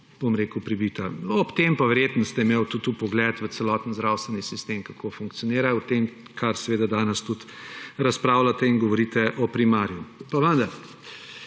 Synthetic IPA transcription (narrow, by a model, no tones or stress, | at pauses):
b̥omɾeːkəwpɾibit̪aɔpt̪empaʋɛɾjeːt̪nɔst̪ɛmewt̪ut̪ːupɔɡlɛt̪ʋəsɛlɔːt̪nzd̪ɾaːwst̪ʋɛnisist̪emkakʰofuŋk̚t̪siɔniːɾaut̪em | kʰaɾsɛʋeːd̪ad̪aːnɛst̪ut̪ | ɾɐspɾaːwlat̪ɛinɡɔʋɔɾiːt̪ɛʔɔpɾimaːɾjupaʋənd̪ɐɾ